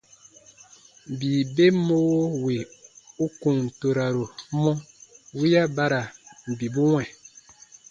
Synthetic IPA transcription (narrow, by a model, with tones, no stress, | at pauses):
biː˨be˦mo˦wo˦wi˨u˦ku˨ŋ̩˨to˨ɾa˨ɾo˨˦mɔ˦wi˦ja˦ba˦ɾa˨m̩˨bi˨bu˦ŋwɛ˨